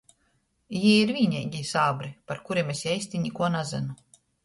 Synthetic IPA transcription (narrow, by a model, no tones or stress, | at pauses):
jiiɾvʲiɲɛɡʲisaːbɾipaɾkuɾiɛmesjɛjsʲt̪ʲiɲikuɔnazɛ̰nu